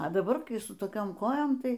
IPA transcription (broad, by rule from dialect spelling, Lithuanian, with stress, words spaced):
ɐ dɐˈbɐr kɐɪ sʊ toːˈkʲoːm ˈkoːjoːm ˈtɐɪ